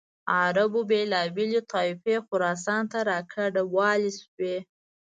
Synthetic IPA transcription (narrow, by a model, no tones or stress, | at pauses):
aɾabobelɑbelet̪ɑɪfexʊɾɑs̬ɑnt̪aɾɑkʰaɖawɑleswe